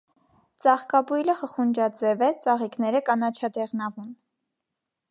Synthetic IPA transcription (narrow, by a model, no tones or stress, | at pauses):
t͡sɑχkɑbujləχəχund͡ʒɑd͡zɛvɛt͡sɑʁiknɛɾəkɑnɑt͡ʃʰɑd̪ɛʁnɑvun